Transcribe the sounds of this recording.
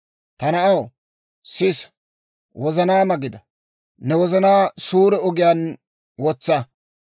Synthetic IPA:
t̪ɐnɐɐw | sɪs | wʔɔzɐnaːmɐɡɪd̪ɐ | nɛwɔzɐnaːsuːɾɛɔɡɪjan | wɔt͡sːɐ

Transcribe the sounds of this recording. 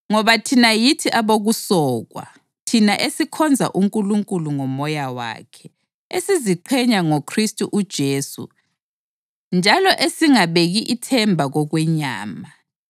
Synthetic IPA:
ŋɔβatʰinajitʰiʔaβoɣusɔːɣwa̰ | tʰinaʔesikʰɔnd͡zʱa̰ʔuŋkʼuluŋkʼuluŋɔmɔjawa̰ːkʰɛ | esiziǃʰɛɲaŋɔkʰristʼuʔud̥ʒ̥ʱeːsṵ | nd͡ʒʱalɔʔesiŋaβeɣiʔitʰɛmbʱaɣɔɣwɛɲa̰ːma

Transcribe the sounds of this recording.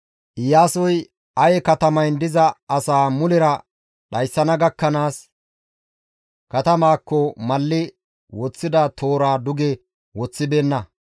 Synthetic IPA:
ʔɪjaːsɔj | ɐjɛkɐt̪ɐmɐjnd̪ɪzɐɐsaːmʊlɪɾɐ | ɗɐjsːɐnɐɡɐkːɐnaːs | kɐt̪ɐmaːkːɔmɐlːɪ | wɔt͡sːɪd̪ɐt̪ʰoːɾaːd̪ʊɡɛ | wɔt͡sːɪbeːnːɐ

